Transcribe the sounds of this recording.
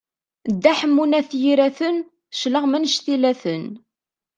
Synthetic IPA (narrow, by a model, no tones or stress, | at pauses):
d̪ːæħəmːunæθjiɾæθən | ʃləʁmənʃθilæθən